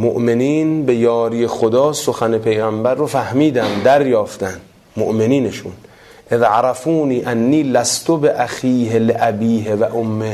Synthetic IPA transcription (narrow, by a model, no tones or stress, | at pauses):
moʔmeniːnbe̞jɒːɾijexod̪ɒːsoxæne̞pʰe̞jɣæmbæɾːofæhmiːd̪æmd̪æɾjɒːft̪ænd̪ | moʔmeniːneʃṵn | ʔeðʕaɾæfuːniːʔænːiːlæst̪ʰobeʔæxiːɦeleʔæbiːɦevæʔomːe